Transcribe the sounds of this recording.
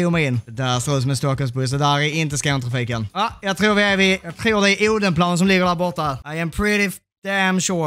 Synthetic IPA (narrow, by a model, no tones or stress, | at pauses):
iːmɛɪɪnːd̪æst̪oːsɔmɛnst̪ɔkːɔlsbɵsɔd̪æɾɛɪnt̪əskant̪ʰɾafiːkənɑjɑɡt̪ʰɾuːɾʋɪævɪjɑɡt̪ʰɾuːɾd̪ɛæɾʔuːd̪ənpʰlɑːnəns̬ɔmlɪɡːəɾɖæːɾbɔt̪ːaæɾaɪæmpʰɹɪɾɪ | d̪̥ɛæmʃʊɾ